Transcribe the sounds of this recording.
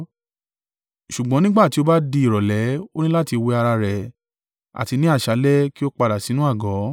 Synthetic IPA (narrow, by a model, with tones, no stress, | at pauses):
ʃu˨ɡ͡bɔ̃˨˦nĩ˦ɡ͡ba˦˨ti˧˦o˧ba˦di˧i˦˨ɾɔ˨lɛ˨˦o˦nĩ˦la˦ti˧we˧a˧ɾa˧ɾɛ˨ | a̰˨ti˧nĩ˨˦a˦˨ʃa˨˦lɛ˦ki˦o˦k͡pa˧da˨si˨˦nũ˦a˦˨ɡɔ˨˦